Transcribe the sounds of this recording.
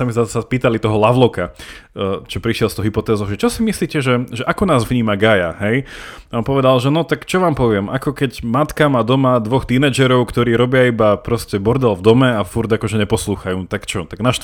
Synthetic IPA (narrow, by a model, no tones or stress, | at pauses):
amizasapiːt̪alit̪ɔɦɔlaʋlɔka | t͡ʃɔpɾiʃɛlˠst̪ɔʊɦipɔt̪ɛːzɔʊʒɛt͡ʃɔsimisliːcɛʒɛʒɛʔakɔnaːzvɲiːmaɡaja̰ɦɛj | ɔmpɔʋɛd̪alʒɛnɔt̪akt͡ʃɔʋaːmpɔʋɪɛmakɔkɛɟmat̪kamad̪ɔmad̪ʋɔxt̪inɛːd͡ʒɛɾɔʊkt̪ɔɾiːɾɔbɪaibapɾɔscɛbɔɾd̪ɛlvd̪ɔmɛafuɾd̪akɔʒɛɲɛpɔsluːxajuːt̪akt͡ʃɔt̪aɡnaʃ